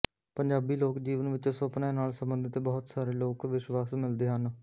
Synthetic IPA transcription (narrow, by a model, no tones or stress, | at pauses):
pəɲd͡ʒaːbiːloːkd͡ʒiːʋənʋɪt͡ʃsopnaenaːlsəmbə̃nd̪ɪt̪bɔːt̪saːɾeːloːkʋɪʃwaːsmɪld̪eːɦən